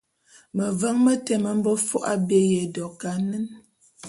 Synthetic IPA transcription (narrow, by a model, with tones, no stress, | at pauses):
mə˨və˦ŋmə˦tɛ˨mə˦m̩˦bə˦fɔ˦ʔa̰˦be˦je˨dɔ˨ka˨˦nə˦n